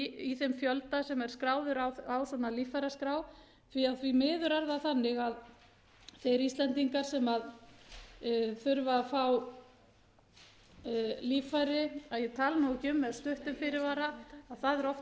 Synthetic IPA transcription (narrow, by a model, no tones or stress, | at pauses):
iθɛmfjœlt̪asɛmɛɾ̥skɾaːwðʏɾawawsanalifajɾaskɾaːw | θviaðθvimɪːðʏɾaɾðaθanːɪɣað | θejɾist̪lɛnt̪iŋkaɾ̥sɛmað | θʏɾvafaw | liːfajɾɪaðjɛt̪ʰaːlnowɪcʏmːɛðst̪ʏht̪ʏmfɪɾɪɾvaːɾaaðθaðɛɾɔf